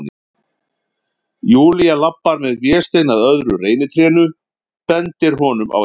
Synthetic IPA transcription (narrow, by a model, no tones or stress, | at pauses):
nɪ̰ | juːlijalapːaɾmɛðvjɛːst̪eːjnaðœðɾʏreːjnɪt̪ʰɾɛːnʏ | pɛnt̪ɪɾ̥ɦɔːn̪ʏmʔa̰w